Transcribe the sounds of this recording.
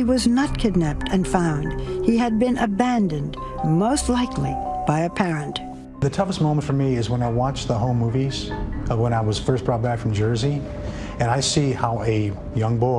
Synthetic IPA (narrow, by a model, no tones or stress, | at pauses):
iwʌznət̚kʰɨɡⁿnæp̚tʰɨ̃nfãʊ̃nd̥hiɨd̚bɨ̃nʔɨbæ̃ndɨ̃nd | moʊstˡlaɪkʰlib̥aɪɨpʰɛɹɨ̃nt | ðɨtʰʌfəstmõʊ̃mə̃ntfə˞miɪzwə̃naɪwɑt͡ʃðəhõʊ̃mːuviz̥wə̃ɾ̃aɪwʌz̥fɜ˞sb̥ɹɔt̚b̥ækfɹʌ̃md͡ʒɜ˞zi | ɨ̃naɪsihaʊɨ | jʌ̃ŋbɔɪ